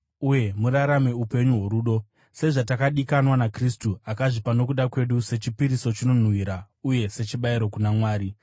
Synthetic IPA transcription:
uje̞muɾaɾame̞upe̞ɲuɦo̞ɾuːɗo̞ | se̞ʐatakaɗikanwanakristuakaʐipano̞kuɗakwe̞ɗuse̞t͡ʃipiɾiso̞t͡ʃino̞n̤wiːɾa | uje̞se̞t͡ʃiɓaiɾo̞kunamwaːɾi

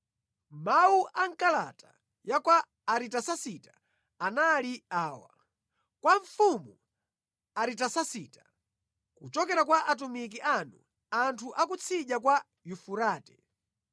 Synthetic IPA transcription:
mawuʔaŋ̩kala̰ta | jakwaː | ɾitasasitḁ | analiaːwa̰ | kwaɱfumu | aɾitasasiːta | kut͡ʃɔkɛɾakwaʔat̬umik̬iʔanu | antʰuʔakut͡sʰiʄakwa | jufuɾaːtɛ̥

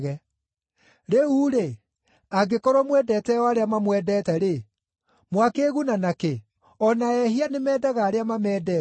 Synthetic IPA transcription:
ɣɛ | ɾeuːɾe | aɡekɔɾɔmwɛdɛtɛɔaɾeamamwɛdɛtɛɾe | mwakeɣunanake | ɔnaɛhianemɛːdaɣaːɾeamamɛːdɛ

